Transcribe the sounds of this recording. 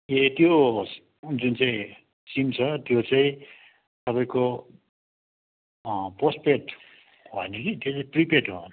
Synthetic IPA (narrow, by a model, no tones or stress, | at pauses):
et̪jo | d͡zunt͡sãĩ | simt͡sʰʌt̪jot͡saĩ | t̪ʌpaĩko | prospeʈ | ɦʌenʌkit̪jot͡saĩpripeʈɦon